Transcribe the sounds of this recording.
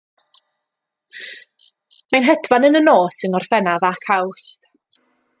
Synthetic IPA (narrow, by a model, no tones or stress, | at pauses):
majnɦɛdvanənənoːsənɔrfɛnavakʰawst